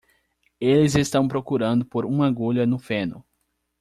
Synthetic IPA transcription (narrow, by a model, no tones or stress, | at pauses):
elɪzest̪ɐ̃w̃pɾokuɾɐ̃nd̪ʊpoɾũɐɡoʎɐnʊfẽnʊ̰